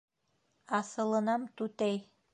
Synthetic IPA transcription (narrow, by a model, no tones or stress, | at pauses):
ɑsɤ̆lˠɤ̆nɑmt̪ʉt̪æj